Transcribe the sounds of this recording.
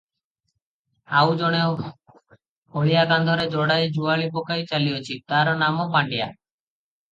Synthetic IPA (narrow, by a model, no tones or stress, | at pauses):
awd͡ʒɔɽ̃e | oɭijaɡand̪ʱɔɾed͡ʒɔɽajd͡ʒuaɭipɔkajt͡ʃalijɔt͡ʃʰit̪aɾɔnamɔpaɳɖija̰